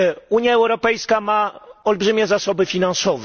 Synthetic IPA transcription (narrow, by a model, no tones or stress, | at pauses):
uɲjaɛwɾɔpɛjskamaɔlbʐɘmʲjɛzasɔbɘfʲinansɔv